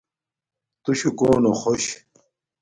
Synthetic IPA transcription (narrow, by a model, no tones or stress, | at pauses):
t̪uɕukoːnoχoɕ